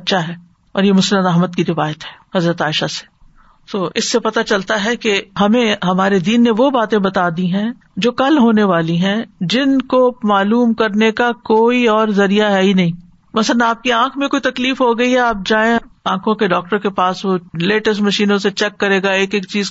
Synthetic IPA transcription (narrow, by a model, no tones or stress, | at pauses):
tːʃʰaɦɛː | ɔ̰ːɾjemʊsənəd̪ɐɦməd̪̚kiɾɪʋaːjət̪ɦɛːhɐzɾət̪aːɪʃase̥ | t̪oːʔɪsːepɐt̪at͡ʃɐlt̪aɦɛkeɦɐmẽɦɐmaːɾed̪iːnːeʋobaːt̪ẽbɐt̪aːd̪iɦɛ̃ | d͡ʒoːkɐlɦoːneʋaːliɦɛ̃d͡ʒɪnkomaːluːmkɐɾnekakoːiɔːɾzɐɾijaɦɛɦinɐɦĩː | mɐsələnaːp̚kiãːkʰmẽkoːit̪ɐkliːfɦoɡɐiɦɛaːp̚d͡ʒaːẽãːkʰõkeɖɔːk̚ʈəɾkepaːsʋoleːʈəsʈmɐʃiːnõset͡ʃɛkːɐɾeːɡaeːkeːk̚t͡ʃiːz